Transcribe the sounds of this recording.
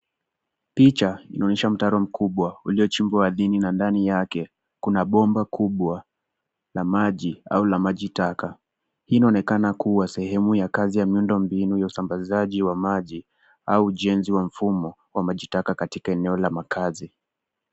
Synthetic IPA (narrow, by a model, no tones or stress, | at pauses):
pit͡ʃainaɔnɛʃam̩taɾɔm̩kʰuɓwauliɔt͡ʃimbwawaðininandanijakɛ | kunaɓɔmbakʰuɓwa | lamaʄia̰ulamaʄitaka | hiːnaɔnɛkanakuwasɛhɛmujakazijamiundɔmbinujausambazaʄiwamaʄi | auːʄɛnziwam̩fumɔ | wamaʄitakakatikaɛnɛɔlamakʰazi